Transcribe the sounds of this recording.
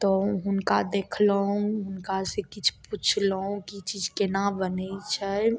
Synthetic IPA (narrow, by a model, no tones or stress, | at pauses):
t̪ɔɦʊnkad̪eːkʰləɦũɦʊnkasekit͡ʃʰput͡ʃʰləɦũkit͡ʃiːd͡ʒkenabənəit͡ʃʰɛ